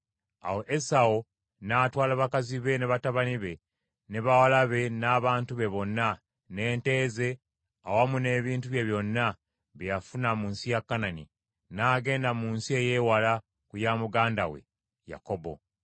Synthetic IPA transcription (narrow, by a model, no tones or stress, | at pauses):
a̰wo̞ʔesao | naːtwaːlaβakaziβe̞neβataβaniβe̞ | neβawalaβe̞naːβaːntuβeβo̞nːa | ne̞ːnte̞ːze̞ | awamune̞ːβiːntuβje̞βjo̞nːa | βejafunamuːnsijakːanani | naːɡe̞ːndamuːnsie̞je̞ːwala | kujamuɡaːndawe̞̰ | ja̰ko̞bo̞̰